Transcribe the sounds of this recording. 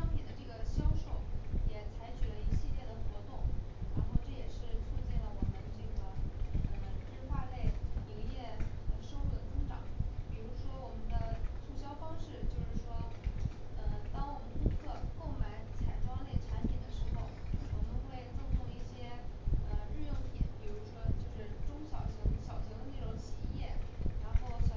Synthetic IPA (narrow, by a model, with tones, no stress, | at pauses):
ʂɑ˥ŋpʰi˨˩nd̪ə˦ʈ͡ʂɤ˥˩ɡə˩ɕjɑ˥ʊʂo̰˨˩˦ʊjɛ˨˩t͡sʰa˧˥ɪt͡ɕʰy˨˩lə˦i˧˥ɕi˥˧ljɛ˥˩d̪ə˩xwɔ˧˥t̪ʊ˥˩ŋɻa̰˧˥nxo˥˧ʊʈ͡ʂɤ˥˩jɛ˨˩ʂɻ̩˥˧t͡sʰu˥˧t͡ɕjɛ˥˩lə˩wɔ˨˩mə˦nʈ͡ʂɤ˥˩ɡə˩ə˧˩ʈ͡ʂʰɻ̩˥fa˥le˥˩ɪi˧˥ŋjɛ˥˧ə˧ʂɤ˥˧xu˥˩d̪ə˩t͡sɤ˥ŋʈ͡ʂɑ̰˨˩˦ŋpi˨˩ɻu˧˥ʂwɔ˥wɔ˨˩mə˦nd̪ə˧ʈ͡ʂʰu˥˩ɕjɑ˥ʊfɑ˥ŋʂɻ̩˥˩˧t͡ɕjo˥˧ʊʂɻ̩˥˩ʂwɔ˥ | ə˧t̪ɑ˥ŋwɔ˨m˩ə˦ni˧˥ɡə˧˩ko˥˩ʊma˧˩˥ɪt͡sʰa̰˨˩ɪʈ͡ʂwɑ˥ŋlɛ˥˩ɪʈ͡ʂʰa˧˥nt̪ʰɛ˨˩nd̪ə˦ʂɻ̩˧˥xo˥˧ʊ˥˩kʰo˧˩ʈ͡ʂ̪ʰɤ˥ŋʈ͡ʂu˥lə˧i˧˥ɡt͡sɤ˥˩t̪ʰŋd̪ə˧i˥˩ɕjɛ˥ə˧ɻɻ̩˥˧jə˥ŋt̪ʰjɛ̰˨˩˦npi˨˩ɻu˧˥ʂwɔ˥t͡ɕjo˥˧ʊʂɻ̩˥˩ʈ͡ʂʊ˥ŋɕjɑ˨˩ʊɕi˧˥ŋɕjɑ˨˩ʊɕi˧˥ŋd̪ə˧ne˥˩ʈ͡ʂʊ˧˥ŋt͡ɕʰi˨˧˩jɛ˥˩ɻa˧˥nxo˥˩ʊɕjɑ˨˩